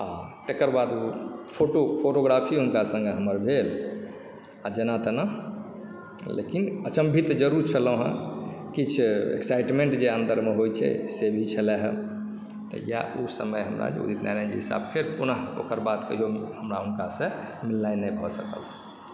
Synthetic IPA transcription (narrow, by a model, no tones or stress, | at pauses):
at̪ekəɾbad̪upʰoʈopʰoʈoɡɾapʰiɦunkasə̃ŋɡeɦəməɾbʱel | ad͡ʒenat̪əna | lḛkinət͡ʃəmbʱit̪d͡ʒəɾuɾt͡ʃʰələ̃ɦə̰̃kit͡ʃʰḛksajʈmẽɳʈd͡ʒeənd̪əɾmeɦojt͡ʃʰɛ̰sebʱit͡ʃʰəlɛɦə | t̪ɔ̰ja̰ʔusə̰məjɦəmɾa̰d͡ʒḛṵit̪nʔaɾand͡ʒḛɦisa̰bkʰeɾpunəɦo̰kəɾbad̪kə̰ɦijohəmɾaunkasə̃milːajnɛbʱɔsəkə̰l